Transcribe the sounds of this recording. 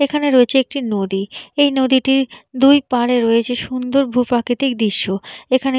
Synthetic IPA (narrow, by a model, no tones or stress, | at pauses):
ekʰaneɾoet͡ɕʰeek̚ʈinod̪iejnod̪iʈiɾd̪ujpaɾeɾoet͡ɕʰeʃund̪oɾbʱupɾakit̪ik̚d̪iʃːoekʰane